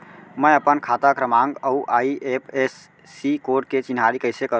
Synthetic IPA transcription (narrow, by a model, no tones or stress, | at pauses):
məəpənkʰat̪akɾəmaŋɡəuʔaiepʰesː | ikoɾɖ̚ket͡ʃinɦaɾikəɪjsekəɾ